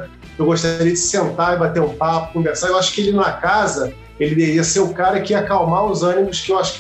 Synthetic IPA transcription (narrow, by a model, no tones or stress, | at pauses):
ewɡoʃt̪aɾiɐd͡ʒɪ̥sẽnt̪aibat̪eɾũpapʊkũveɾsaewaʃʊ̥kɪelɪñɐkazɐ | elɪd̪eviɐseɾʊkaɾɐkɪiɐkawmaɾʊzɐ̃nimʊskɪewaʃʊ̥k